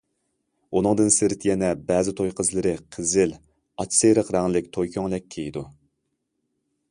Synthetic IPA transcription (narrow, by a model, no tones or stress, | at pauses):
unɨŋd̪ɨnsɪɾɪt̪ʰjɛnɛbɛːzɪt̪ʰojqʰəzlˠɨɾɨqʰəzɪl | ɑt͡ʃsejɾəqɾæŋlɪk̚ʲt̪ʰojkʲʰøŋlɛkʲʰːejid̪u